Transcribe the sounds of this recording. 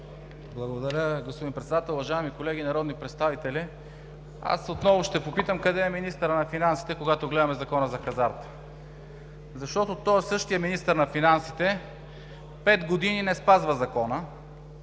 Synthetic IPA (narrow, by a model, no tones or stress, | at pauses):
blˠɐɡod̪ɐɾʲəɡospod̪inpɾɛt̪sɛd̪at̪ɛlˠʊvɐʒaɛmikolɛɡ̟inɐɾɔd̪nipɾɛt̪st̪avit̪ɛli | a̰sot̪nɔvoʃt̪ɛpopit̪əmkɐd̪ɛɛminist̪əɾənɐfinansi̥t̪ɛkoɡat̪oɡlɛd̪ɐmɛzɐkɔnəzɐxɐzaɾt̪ | zɐʃt̪ɔt̪ot̪ɔsɤʃt̪ijəminist̪əɾnɐfinansi̥t̪ɛ | pɛd̪ɡod̪ininɛspazvəzɐkɔnə